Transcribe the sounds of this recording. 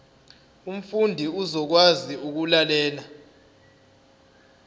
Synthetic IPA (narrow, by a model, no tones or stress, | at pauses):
um̩fundʱiuzɔk̬waziuk̬ulalɛːla